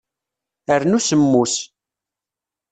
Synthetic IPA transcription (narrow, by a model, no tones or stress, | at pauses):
əɾnusəmːus